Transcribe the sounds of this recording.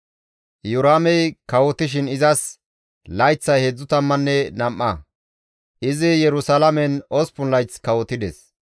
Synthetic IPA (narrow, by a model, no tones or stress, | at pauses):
jʊɾaːmɛjkɐwɔt̪ːɪʃ̬ɪnɪzɐs | lɐjt͡sːɐjheːd͡zːʊt̪ɐmːɐnːɛnɐmʔːɐ | ʔɪzɪjɛɾʊsɐlɐmɛnɔspʊnlɐjt͡skɐwɔt̪ːɪd̪ɛs